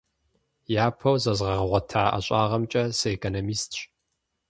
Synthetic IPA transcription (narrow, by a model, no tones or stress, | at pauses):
jaːpʰɐwzɐzʁɐʁɐʁʷɐtʰaːa̰ɕʼaːʁɐmt͡ʃʼɐsɨekʰonomiːstʰɕʼ